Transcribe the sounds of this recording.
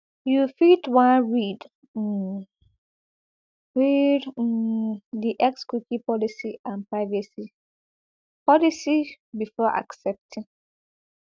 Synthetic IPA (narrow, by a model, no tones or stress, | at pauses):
jufitwãnɹid̩ | ɹid̩ | diʔɛkskwikĩpɔlisiʔãnpɹaɪvasi | pʰɔlisi | bifɔʔa̰ksɛp̚tʰĩŋ